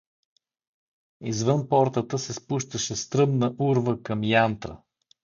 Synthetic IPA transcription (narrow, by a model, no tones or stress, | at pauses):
izvɤnpɔɾt̪ət̪əsɛspuʃt̪əʃɛst̪ɾɤmnəʔuɾvəkɐmjant̪ɾə̰